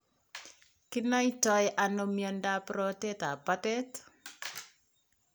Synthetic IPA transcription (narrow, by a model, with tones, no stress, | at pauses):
kɪ˦na˦i˦tɔ˦ɛʔa˨no˨mjɔ˨nda˦pɾɔ˦tɛ˦ta˨pa˦tɛ˦t